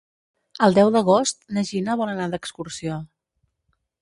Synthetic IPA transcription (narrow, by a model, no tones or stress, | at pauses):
əlˠd̪ɛwðəɣ̞ost̪̚nəʒinəβɔnənad̪əkskursio